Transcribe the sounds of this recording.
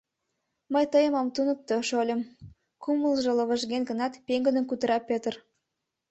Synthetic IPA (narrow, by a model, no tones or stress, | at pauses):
məjt̪əjəmɑmt̪unə̆k̚t̪oʃolʲə̆m | kuməlˠʒə̆lˠə̆βə̆ʒɡʲenɡə̆nɑt̪pʲeŋɡə̆nə̆nkut̪ə̆ɾɑpʲːet̪r